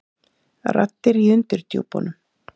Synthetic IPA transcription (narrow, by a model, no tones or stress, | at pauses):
ra̰t̪ːɪɾiʏnt̪ʏɾ̥t̪jṵwpɔ̰nʏm